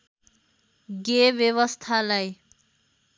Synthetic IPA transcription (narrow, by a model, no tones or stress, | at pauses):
ɡebjeβʌst̪ʰalaj